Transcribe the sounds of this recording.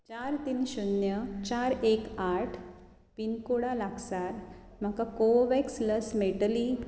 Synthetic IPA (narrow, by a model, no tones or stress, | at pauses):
t͡ɕaɾt̪iːnɕunjət͡ɕaɾekaʈʰ | pinkuɽalaɡsaɾ | m̤akakoʋɛksləsmeʈəli